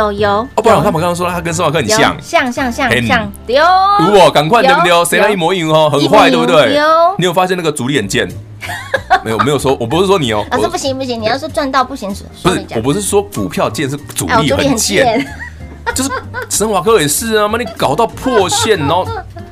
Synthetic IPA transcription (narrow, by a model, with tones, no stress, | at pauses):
jo˨˩jo˨˧˦ʊɔ˧˩pa˥n˨t̪a˥˩mə˨˩ka˥˩swɔ˥˧˩a˥kə˥ns̬ə˧˥nwa˨kʰɤ˦˧n˨ɕɕjɑ̰˥˨ŋɕjɑ˥˧ŋɕjɑ˥˧ŋɕjɑ˥˧ŋ˧ɑ˥˩ŋ | jo˨˦u˧˦˥kwɔ˨˩ka˨˩nkʰwa˥˧ɪn˧t̪jjo˧ʊse˧˥ɪna˧˦i˥˩mwɔ˧˦i˥˨ɔ˥˩xə˨nxwa˥˧ɪt̪e˥˧twe˥˩ɪo˧˦ni˨˥jo˨˩fa˦ɕjɛ˥˧na˥ɡə˨t͡su˧˥ɾi˥˨˩ə˨˩nt͡ɕjɛ˥˩n | me˧˥˨me˧˥jo˨˩ʊswɔ˦wɔ˨˩pu˧˦˥ʂɻ̩˥˩ʂwɔ˥ni˨˩ɔ̰˨˦˨pu˥˩i˧˦pu˥˩ɕi˧˦ŋn˨˩jɑ˥˧ʊsɔ˥t͡swa˥˧nt̪ɑ˥˧ʊpu˥˩ɕi˧˥ŋ˨˩˧u˧˦ʂ̩˥˧˩wɔ˨˩p̬u˧˦ʂ̬ɻ̩˥˩swɔ˦˥ku˨˩pʰjɑ˥˧ʊt͡ɕjɛ˥˧nʂ̬̩˥˩t͡sṵ˨li˥˨˧xə̰˨˥˧ə˨˩t͡ɕjɛ˥˨˥ | t͡ɕo˥˧ʊʂ̬̩˥ʂə˧˥nwa˨˩kʰɤ˧˦e˨˩ɪʂɹ̩˥˧ə˧˩ma˥˩˦ni˨˩kɑ˨˩ʊt̪ɑ˥˧ʊpʰɔ˥˧ɕjɛ˥˨nɔ˧˦